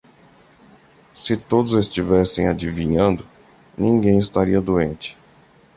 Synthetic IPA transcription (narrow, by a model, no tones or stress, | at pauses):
sɪt̪od̪ʊzest͡ʃivɛsẽj̃ad͡ʒivĩɲɐ̃nd̪ʊ | nĩŋɡẽj̃ɪst̪aɾiɐd̪uẽnt͡ʃɪ̥